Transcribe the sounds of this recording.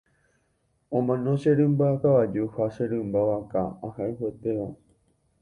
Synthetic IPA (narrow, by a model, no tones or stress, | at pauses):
õmãnoʃeɾɨmbaakaʋad͡ʒuhaʃeɾɨmbaʋakaahaiɦet̪eʋa